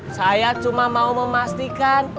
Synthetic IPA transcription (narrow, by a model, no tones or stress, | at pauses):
sajat͡ʃumamauməmast̪ikan